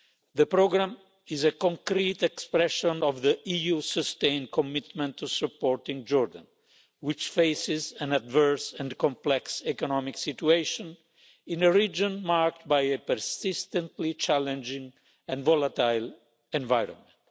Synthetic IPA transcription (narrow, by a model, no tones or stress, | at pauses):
ðəpɾoɡɾãm | ɪzəkɔ̃ŋkɾit̪ɛkspɾɛʃɔ̃nɔvðəʔijusəst̪ẽɪ̃n̚kʰɔmɪt̪mɛ̃nt̪ʰːusupːɔɹt̪ĩŋd͡ʒɔɹd̪ã̰n | wɪt͡ʃfeɪsɪzæ̃nadvɜɹsɛ̃nkɔ̃mplɛksɛkɔnɔmiksitueɪʃɔ̃n | ĩnəɹid͡ʒɔ̃nmaɹk̚t̪̚bajəpəɾsɪst̪ə̃nt̪lit͡ʃælɛ̃nd͡ʒɪ̃ŋ | ɛ̃ndvɔlat̪ajl | ɛ̃ɱvajɾɔ̰̃nmɛ̃nt